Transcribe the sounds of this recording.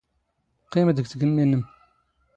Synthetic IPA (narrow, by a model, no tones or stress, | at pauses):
qːiməd̪əɡθəɡənːinəm